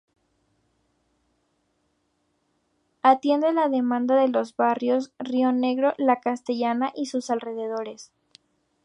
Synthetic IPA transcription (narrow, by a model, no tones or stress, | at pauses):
at̪je̞nd̪elaðe̞mãnd̪aðe̞lo̞zβarjo̞srio̞ne̞ɣɾo̞lakast̪e̞ʝanaʔisusalre̞ð̞e̞ð̞o̞ɾe̞s